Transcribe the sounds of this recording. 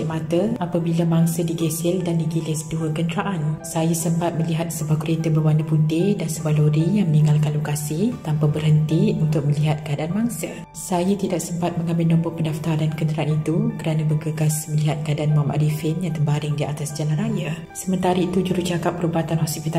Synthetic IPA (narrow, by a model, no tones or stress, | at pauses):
ʔmat̪əapabilamaŋsədiɡesɪldandiɡilɪsduəkənt̪ɾaʔansajasəmpat̪̚mə̃liɦat̪̚səbakuɾet̪əbərwanəput̪ɪdansəvaloɾijaŋməniŋɡalkanlokasit̪ampabərɦənt̪iunt̪ʊk̚mə̃liɦat̪̚kəadaanmaŋsə | sajat̪idaʔsəmpat̪̚mə̃ŋãmbɪlnɔ̃mbɔpəndaft̪aɾankənt̪ɾaanit̪ukəɾanãbəɡəɡasmə̃liɦat̪̚kəadaanmuamʔa̰lifɪnjaŋt̪ərbaɾɪŋdia̰t̪asd͡ʒanaɾaja | səmənt̪aɾəit̪ud͡ʒuɾut͡ʃakapːəɾubat̪anhɔsipit̪a